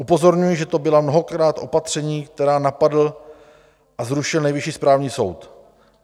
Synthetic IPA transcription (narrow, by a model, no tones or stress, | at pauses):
ʔupo̞zo̞ɾɲujɪʒɛt̪o̞bɪlamno̞ɦo̞kɾaːt̪ʔo̞pat̪r̥ɛɲiːk̚t̪ɛɾaːnapadl̩ | ʔazɾuʃɪlnɛjvɪʃiːspɾaːvɲiːso̞wt̪